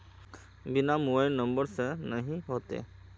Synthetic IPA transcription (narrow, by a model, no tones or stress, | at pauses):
bɪnamuʋəɪnːə̃mbəɾsenɐɦĩɦoːt̪ḛ